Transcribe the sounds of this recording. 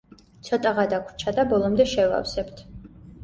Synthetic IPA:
t̪sʰɔt̪ʼaʁad̪akʷʰɾt͡ʃʰad̪abɔlˠɔmd̪ɛʃɛva̰fsɛbt̪ʰ

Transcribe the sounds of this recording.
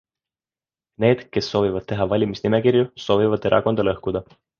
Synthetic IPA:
ne̞ːd̪̥ke̞sːo̞ːvivɑd̪̥̚t̪e̞ɦɑvɑlʲimisnime̞kirjuso̞ːvivɑd̪̥e̞ɾʔɑ̰ko̞nd̪̥ɑlɤhkud̪̥ɑ

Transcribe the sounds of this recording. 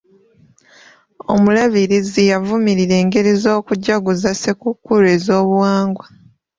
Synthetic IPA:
o̞̰mulaβiɾizijavumiɾiɾe̞ːŋɡe̞ɾizo̞ːkuɟːaɡuzasekukːuɾe̞ːzo̞ːβuwaːŋɡwa

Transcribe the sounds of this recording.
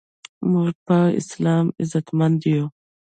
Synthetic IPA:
muʐpaɪ̰slɑːmɪzat̪mand̪ijo

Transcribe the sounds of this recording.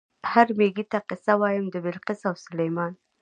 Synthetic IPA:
haɾmeɡit̪aqɪsawɑjəmd̪əbɪlqɪsawsʊlajmɑn

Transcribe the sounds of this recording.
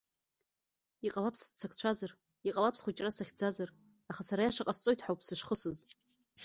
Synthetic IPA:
iqʼalapʰsḁt͡sʷʰakʰt͡ɕʷʰazar | iqʼalapʰsχʷut͡ʃʼrasaχʲd͡zazar | aχasaɾajaʂaqʼast͡sʼo̞jtʰħawpʰsɨʂχəsɨz

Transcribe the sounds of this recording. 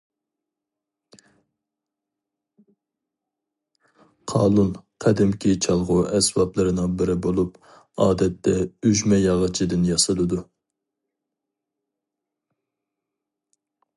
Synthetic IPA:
qʰɑːlˠulˠqʰɛd̪ɪmkʲʰit͡ʃʰɑlˠʁʊʔɛsbɑplˠɨɾɨnɨŋbɪɾɪbolˠup | ɑːd̪ɛt̪ːɛyʒmɛjɑʁɑt͡ʃʰid̪ɨnjɑsɨlˠɨd̪u

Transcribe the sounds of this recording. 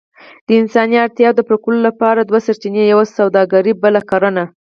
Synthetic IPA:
d̪̥əɪnsɑniaɾt̪jɑd̪əpɾakulolapɑɾad̪wasaɾt͡ʃinejawasawd̪ɑɡaɾibəlakɑɾəna

